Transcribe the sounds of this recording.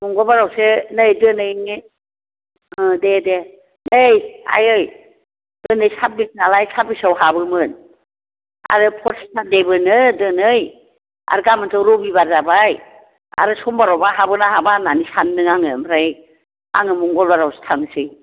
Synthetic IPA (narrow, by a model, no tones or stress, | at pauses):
mɔŋɡɔlbaɾawsenɯjdɯnɯjŋi | dede | nɯja̰jɯj | d̥ɯnɯjsap̚bit̚nalajsabisawɦabɯmɯn | a̰ɾɯpʰɔɾssʰadebɯnɯdɯnɯj | a̰ɾɡamɯntʰɯwɾɔbibaɾzabaj | a̰ɾɯsɔmbaɾɔwbaɦabɯnaɦabananisanːɯŋaŋɯmɾaj | a̰ŋɯmɔŋɡɔlbaɾawse̥tʰaŋsɯj